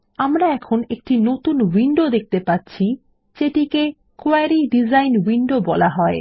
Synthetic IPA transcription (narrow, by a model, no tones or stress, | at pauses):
amɾaɛkʰonek̚ʈinot̪unwiɳɖod̪ek̚t̪epatːɕʰi | d͡ʑeʈike | koaɾiɖid͡ʑajnwiɳɖobɔlaɦɔe